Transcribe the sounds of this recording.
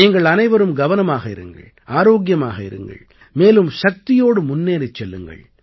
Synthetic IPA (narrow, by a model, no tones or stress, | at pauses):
iŋɡɐɭɐnɐɪʋɐɾɯmɡɐʋɐnɐmaːɣɐɪ̰ɾɯŋɡɐ̰ɭ | aːɾoːɡjɐmaːɣɐɪ̰ɾɯ̰ŋɡɐ̰ɭ | meːlɯmʃɐk̚t̪ɪjoːɽɯmʊnːeːɾɪt͡ʃːɛlːɯ̰ŋɡɐ̰ɭ